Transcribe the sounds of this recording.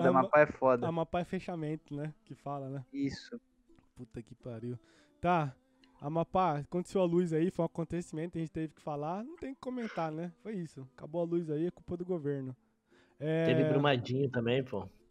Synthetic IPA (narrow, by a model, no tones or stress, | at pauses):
amapaɛfɔd̪ɐamapaɛfeʃamẽnt̪ʊnɛkɪfalɐnɛisʊ | put̪ɐkɪpaɾiw | t̪a | ɐmapakõt̪e̥sewɐluzaifojũakõnt̪esimẽt̪kɐʒẽt͡ʃɪt̪evɪkɪ̥falanɐ̃w̃t̪ẽj̃ʊ̃kɪ̥komẽnt̪anɛfojisʊkaboɐluzaiɐkupɐd̪ʊɡoveɾnʊ | ɛt̪evĩbɾumad͡ʒĩɲʊt̪ɐ̃mbẽj̃po